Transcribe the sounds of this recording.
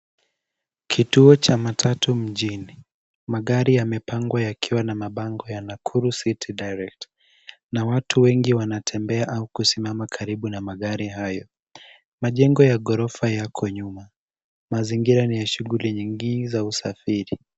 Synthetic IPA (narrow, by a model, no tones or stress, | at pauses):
kʰituɔt͡ʃamatʰatum̩ʄini | maɠaɾijamɛpaŋɡwajakʰiwanamaɓaŋɡɔjanakʰuɾusitʰiɗajɾɛk̚t | nawatuwɛŋɡiwanatʰɛmbɛaʔaukusimamakʰaɾiɓunamaɠaɾiɦajɔ | maʄɛŋɡɔjaɠɔɾɔfajakʰɔɲuma | maziŋɡiɾanijaʃuɣuliɲiŋɡinizausafiɾi